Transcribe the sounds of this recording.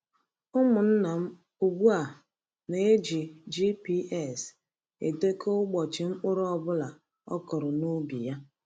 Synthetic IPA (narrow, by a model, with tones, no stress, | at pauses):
ʊ˦mʊ˨n̩˦na˨m̩˦ | u˨ɡ͡bu˦a˨ | ne˨e˦d͡ʒi˨d͡ʒi˦pi˦ʔɛ˦˨s | ḛ˨de˦ko˦ʊ˦ɡ͡bɔ˨t͡ʃɪ˨ŋ͡m̩˦k͡pʊ˦ɾʊ˦ɔ˦bʊ˦la˨ | ɔ̰˦kɔ˨ɾʊ˨nu˦bi˨ja˦